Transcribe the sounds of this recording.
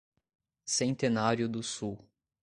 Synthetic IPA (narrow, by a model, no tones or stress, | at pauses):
sẽnt̪enaɾjʊd̪ʊsuw